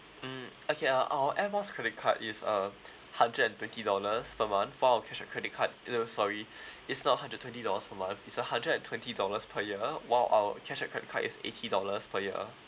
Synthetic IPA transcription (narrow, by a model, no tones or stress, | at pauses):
m̩ | okʰeaʔawəʔɛbaskʰɹɛdɪt̚kʰa̰tɪsə | hãndɹədɛ̃ntwɛ̃ntidɔləspʰəmãnθwaɪlawəkʰɛʃət̚kʰɹɛdɪt̚kʰat̚ːosɔɹiɪtsnɔt̚hãndɹət̚ʰːwɛ̃ntidɔləspʰəmãnθɪtsəhãndɹədɛ̃ntʰwɛ̃ntidɔləspʰəjiəwaɪlʔa̰ə̰kʰɛʃət̚kɹɛdɪ̰kʰatḭsḛtʰidɔləspʰəjiə̰